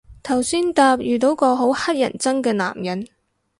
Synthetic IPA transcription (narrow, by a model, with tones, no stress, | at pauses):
t̪ʰɐ˨˩wsiː˥nt̪aː˧p̚jyː˨t̪o˨˥wkɔː˧ɦo˨˥whɐ˥t̚jɐ˨˩nt͡sɐ˥ŋkɛː˧na̰ː˨˩mjɐ˨˥n